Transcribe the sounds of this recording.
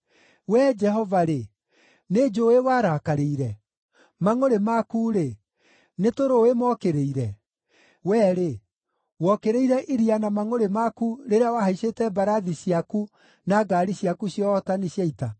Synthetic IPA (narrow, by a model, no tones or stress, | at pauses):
wɛd͡ʒɛɦɔvaɾe | ned͡ʒoewaɾakaɾeiɾɛ | maŋoɾemakuɾe | netoɾoemɔkeɾeiɾɛ | wɛɾe | wɔkeɾeiɾɛʔiɾianamaŋoɾemakuɾeɾeawahaisetɛbaɾaðisiaku | naɡaːɾiɕjakuɕjɔtaniɕjaita